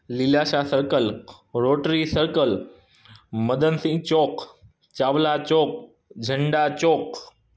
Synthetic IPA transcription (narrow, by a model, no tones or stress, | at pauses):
lilaʃasəɾkəl | ɾoːʈɾisəɾkəl | məd̪ənsĩt͡ɕoːk | t͡ɕaːʋlat͡ɕoːk̚ | d͡ʑʱəɳɖat͡ɕoːk